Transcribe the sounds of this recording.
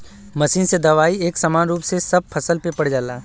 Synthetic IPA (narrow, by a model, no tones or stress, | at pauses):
mɐsiːnsed̪ɐʋaːieːksɐmaːnɾuːpsesɐb̚pʰɐsəlpepɐɽ̤d͡ʒaːlaː